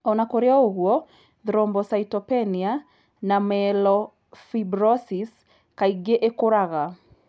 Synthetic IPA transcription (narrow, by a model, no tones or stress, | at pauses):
ɔnakoɾeaoɣwɔ | ðɾɔmbɔsaitɔpɛnia | namɛlɔ | fibɾɔsis | kaiɡeʔekoɾaɣa